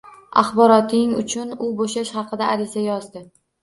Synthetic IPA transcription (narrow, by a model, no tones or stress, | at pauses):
ɑ̰χbɒɾɒt̪ʰɪŋʊ̰t͡ʃʰʊnʊboʃaʃhɑqʰɨd̪aaɾɪzajɒzd̪ɪ